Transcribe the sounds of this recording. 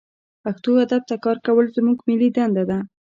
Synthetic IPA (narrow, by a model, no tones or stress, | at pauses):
paxt̪oad̪ab̚t̪akɑɾkawəlzmuɡmɪlid̪and̪ad̪a